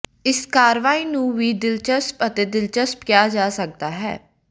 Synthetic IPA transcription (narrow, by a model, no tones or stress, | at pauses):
ɪskaːɾʋaːiːnũːʋiːd̪ɪlt͡ʃəspət̪eːd̪ɪlt͡ʃəspkɪjaːd͡ʒaːsək̚d̪aːɦɛ̰ː